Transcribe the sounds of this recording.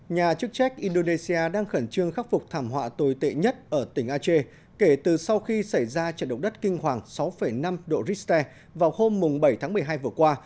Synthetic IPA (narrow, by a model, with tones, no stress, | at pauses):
ɲaː˨˩t͡ɕɨ˦˥ək̚t͡ɕɛ˦˥k̟̚ʔi˧nɗo˧ne˧si˧aː˧ɗaː˧ŋxə˧˩nt͡ɕɨ˧əŋxaː˦˥k̚fʊ˨˩k͡p̚t̪ʰaː˧˩mhwa̰ː˧˨t̪o˨˩jt̪ḛ˧˨ɲə˦˥t̚ʔəː˧˩t̪ï˧˩ŋ̟ʔaː˧t͡ɕe˧ | ke˧˩t̪ɨ˨˩sa˧wxi˧sa˧˩jzaː˧t͡ɕa̰˧˨nɗə˨˩wk͡p̚ɗə˦˥t̚kï˧ŋ̟hwaː˨˩ŋsa˨˦wfə˧˩jna˧mɗo̰˧˨zi˦˥t̪ɛ˧ | vaː˨˩who˧mːʊ˨˩ŋ͡mɓə˧˩jt̪ʰaː˨˦ŋmɨ˨˩əjɦaː˧jvɨ˨˩əkwaː˧